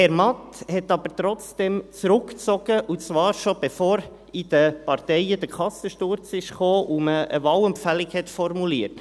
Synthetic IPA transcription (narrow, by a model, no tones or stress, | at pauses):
hɛɾmɑt̪hɛtɑb̥əɾt̪ɾɔt͡sd̥ɛmt͡sɾʊkt͡sɔɡ̥əʔut͡sʋɑːɾʃɔb̥ɛfoːɾ | id̥əpɑɾtɛɪəd̥̪əkʰɑsəʃtʊɾt͡sɪʃχoːʔuməə̰vɑːwɛmpfælɪkhɛtfɔrmuliəɾt